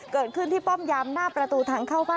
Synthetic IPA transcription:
kɤː˨˩t̪̚kʰɯ˥˩nt̪ʰiː˥˩pɔ˥˩mjaː˧mnaː˥˩pɾa˧t̪uː˧t̪ʰaː˧ŋkʰaː˥˩wbaː˥˩

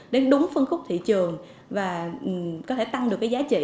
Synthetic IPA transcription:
ɗe˨˦nɗʊ˨˦ŋ͡mfɨ˧ŋxʊ˦˥k͡p̚t̪ʰḭ˧˨t͡ɕɨ˨˩əŋ | vaː˨˩˨kɔ˨˦t̪ʰe˧˩t̪a˧ŋɗɨ˨˩əkːjzaː˨˦t͡ɕḭ˧˨

